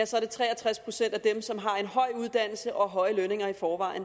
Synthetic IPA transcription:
æsɒ̽ɐɾ̥e̝t͡sʰʁɛ̰ːæt͡sʰʁaspʰʁo̝sen̰d̥æd̥emsɒ̽mɦɑ̈e̝nɦɒ̽ɪ̰uð̞ˠd̥æn̰l̩səʔɒ̽ɦɒ̽ɪəløne̝ŋɐifɒːʋɑ̈ɪn

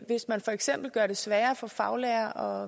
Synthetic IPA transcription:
ʋe̝smænfɒ̽eɡ̥sem̰b̥l̩ɡ̥ɶɐɾ̥e̝sʋæːɐfɒ̽fɑ̈ʊlɛɐʔɒ̽

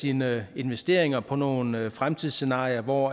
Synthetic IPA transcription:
iːnəe̝nʋesd̥e̝̰ɐ̰e̝ŋɐpʰɒ̽no̝ːn̩fʁamt͡sʰið̰ˠse̝nɑ̈ːiɐʋɒ

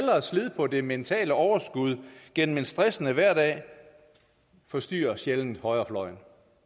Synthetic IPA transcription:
lɐsleðˠpʰɒ̽de̝ment͡sʰɛ̰ːləɒʊɐsɡ̥uð̞ˠɡ̥en̰m̩e̝nsd̥ʁɛsənəʋæɐ̰dɛ̰ː | fɒ̽sd̥y̰ːɐɕeln̩hɒ̽ɪɐflɒ̽ɪn

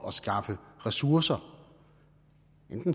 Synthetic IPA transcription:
ɒ̽sɡ̥ɑ̈fəʁɛsuɐsɐ | ʔend̥n̩

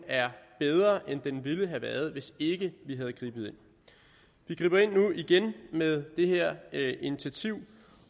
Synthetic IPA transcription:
æɐb̥eð̞ˠʁɐʔend̥enʋiləɦæʋæɐð̞ˠʋe̝se̝ɡ̥əʋiɦæð̞ˠɡ̥ʁḭːb̥ð̩ˠe̝n̰ | ʋiɡ̥ʁḭːbɐe̝n̰ːuiɡ̥enmeðˠd̥e̝ɦeɐ̰ʔinit͡sʰiæt͡sʰiʊ̰

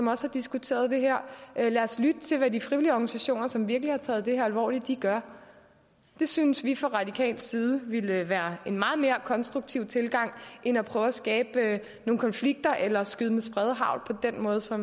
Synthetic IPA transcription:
sɒ̽mɒ̽shɑ̈d̥isɡ̥ut͡sʰe̝̰ːɐð̞ˠd̥e̝ɦæɐ̰læɐslyd̥ət͡sʰe̝lʋædifʁiʋiliɒɡ̥ænisæɕo̝̰ːnɐsɒ̽mʋiɐɡ̥lihɑ̈t͡sʰɛ̰ːð̞̩ˠd̥e̝hæɐælʋɒ̰ːlid̥ːiɡ̥ɶɐ | d̥e̝synəsʋifʁɑ̈ʁɑ̈d̥ikʰɛ̰ːld̥siːð̞ˠəʋelʋæːɐe̝nmɑ̈ːð̞̩ˠme̝ːɐkʰɒ̽nsd̥ʁuɡ̥̚t͡sʰiʊ̰t͡sʰe̝lɡ̥ɑ̈ŋ̰ʔe̝næpʰʁœːʊæsɡ̥ɛːb̥ | no̝ːŋ̩kʰɒ̽nfliɡ̥̚d̥ɐʔelɐsɡ̥yðˠəmesb̥ʁɛð̞ˠɦɑ̈ʊ̰lˠpʰɒ̽d̥en̰mɔ̽ːð̞ˠsɒ̽m

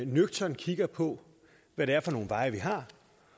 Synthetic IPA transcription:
nøɡ̥̚t͡sʰɒnkʰiɡ̥ɐpʰɔ̽ | ʋæɾ̥e̝æɐfɒno̝ːn̩ʋɑ̈ɪɐʋiɦɑ̈

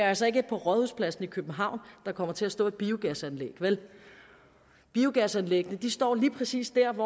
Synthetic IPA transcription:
ælsɐe̝ɡ̥əpʰɒ̽ʁɒðˠhuðˠspʰlæsn̩ikʰøb̥m̩ɦɑ̈ʊ̰nd̥ɑ̈kʰɒ̽m̰ɐt͡sʰe̝æsd̥ɔ̰̽ːe̝d̥̚b̥iːoɡ̥æsænlḛɡ̥ʋel | b̥iːoɡ̥æsænleɡ̥ənəd̥isd̥ɒ̰ːliːpʰʁɛsḭːsd̥æɐʋɒ

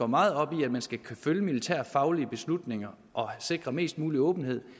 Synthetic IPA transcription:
ɒ̰mɑ̈ːð̩ˠɒ̽b̥iæd̥mænsɡ̥ækʰføljəmilit͡sʰæɐ̰fɑ̈ʊliəb̥e̝slud̥ne̝ŋɐ | ʔɒ̽se̝ɡ̥ʁɐme̝̰ːsd̥muːliɔ̽ːb̥n̩he̝ð̞̰ˠ

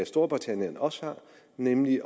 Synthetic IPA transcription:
æsd̥o̝ɐb̥ʁit͡sʰænjənɒ̽shɑ̈ | nemliʔ

